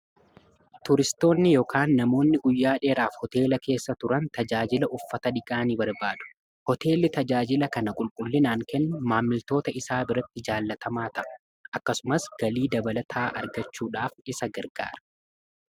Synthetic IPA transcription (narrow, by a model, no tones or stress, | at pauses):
t̪ʊɾɪst̪o̞ːnːɪjoːkʰaːnːɐmo̞ːnːɪɡʊjːaːᶑe̞ːɾaːfhɔt̪e̞ːlɐke̞ːsːɐt̪ʊɾɐnt̪ɐd͡ʒaːd͡ʒɪlɐʔʊfːɐt̪ɐᶑɪkʼaːnibɐɾbaːd̪ʊ̥ | hɔt̪e̞ːlːɪt̪ɐd͡ʒaːd͡ʒɪlɐkɐnɐkʼʊlkʼʊlːɪnaːŋkɛnːʊmaːmːɪlt̪o̞ːt̪ɐɪsaːbɪɾɐt̪ːɪd͡ʒaːlːɐt̪ʰɐmaːt̪ɐʔɐ̥ | ʔɐkːɐsʊmɐsɡ̥ɐliːd̪ɐbɐlɐt̪ʰaːʔɐɾɡɐt͡ʃːuːᶑaːfɪsɐɡɐɾɡa̰ːɾɐ̥